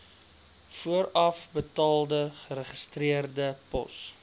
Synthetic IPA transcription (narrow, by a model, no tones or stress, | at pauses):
fuəɾɐfbətɑːlˠdəχəɾəχəstriərdəpɔ̰s